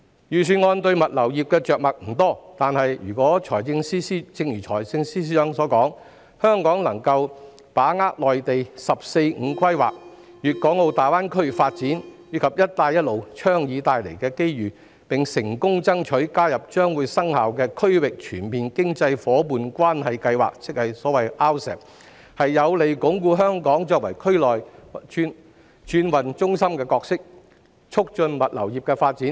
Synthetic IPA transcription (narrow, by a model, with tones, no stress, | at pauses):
jyː˨˩syː˨˧nŋɔː˧nt̪ɵ˧ɥmɐ˨t̚lɐ˨˩wjiː˨p̚kɛː˧t͡ʃœː˨k̚mɐ˨k̚m̩˨˩t̪ɔː˥t̪aː˨nhɐ˨jjy̰ː˨˩kʷɔː˨˥t͡ʃʰɔː˨˩jt͡sɪ˧ŋsiː˥siː˥t͡sɪ˧ŋjyː˨˩t͡ʃʰɔː˨˩jt͡sɪ˧ŋsiː˥s̬i˥œː˨˥ŋsɔː˨˥kɔː˨˥ŋ | hœː˥ŋkɔː˨˥ŋlɐ˨˩ŋkɐ˧w | paː˨˥ŋaː˥k̚lɔː˨jt̪e˨jsɐ˨p̚se˧jŋ̩ː˨˧kʰɐ˥jwa̰ː˨k̚ | jyː˨˩t̚kɔː˨˥ŋo˧wt̪aː˨˩jwaː˥nkʰɵ˥ɥfaː˧t̚t͡siː˨˥njyː˨˧˥kʰɐ˨p̚jɐ˥t̚t̪aː˧jɐ˥t̚lo˨˧wt͡ʃʰœː˥ŋjiː˨˧t̪aː˨˧jlḛ˨˩jkɛː˧ke˥jɥyː˨˩ | pɪ˨˩ŋsɪ˨˩ŋkʊ˥ŋt͡sɐ˥ŋt͡ʃʰɵ˨˥ɥkaː˥jɐ˨p̚t͡ʃœː˥ŋwuː˨˧jsɐ˥ŋhaː˨wkɛː˧kʰɵ˥ɥwɪ˨k̚t͡ʃʰyː˨˩npiː˨˩nkɪ˥ŋt͡sɐ˧jfɔː˨˥puː˨nkʷwaː˥nhɐ˨jkɐ˧jwa̰ː˨˩k̚t͡sɪ˨˥k̚hɐ˨jsɔː˨˥wɐ˨jʔaː˥wsɛ̰ː˨˩p̚ | hɐ˨jːɐ˨˧wle˨˩jkʊ˨˥ŋkuː˧ɦœː˥ŋkɔː˨˥ŋt͡ʃɔː˧k̚wɐ˨˩jkʰɵ˥ɥlɔː˨jn | t͡ʃyː˧˥nwɐ˨nt͡ʃʊ˥ŋsɐ˥mkɛː˧kɔː˧k̚sɪ˥k̚ | t͡ʃʰʊ˥k̚t͡ʃɵ˧nmɐ˨t̚lɐ̰˨˩wjiː˨˩p̚kɛː˧faː˧t̚t͡siː˨˥n